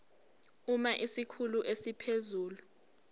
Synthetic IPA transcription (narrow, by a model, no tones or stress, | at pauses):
umaʔisikʰuluʔesipʰezuːlu